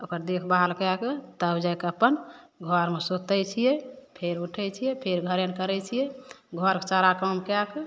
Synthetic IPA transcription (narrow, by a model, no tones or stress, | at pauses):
okəɾd̪ekʰbaɦalkaket̪əbd͡ʒaekəpənɡʱɔɾmesot̪ɛjt͡ʃʰijɛpʰeɾuʈʰɛt͡ʃʰijɛpʰeɾɡʱəɾenkəɾɛt͡ʃʰijɛɡʱɔɾkt͡ʃaɾakəmkake